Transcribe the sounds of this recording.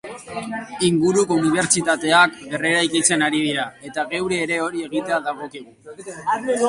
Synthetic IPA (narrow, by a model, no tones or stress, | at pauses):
iŋɡuɾukouniβ̞e̞ɾt͡ʃit̪at̪e̞akbe̞re̞ɾajkit͡se̞naɾið̞iɾae̞t̪aɣe̞wɾe̞ːɾe̞o̞ɾie̞ɣ̞it̪e̞aðaɣo̞kiɣu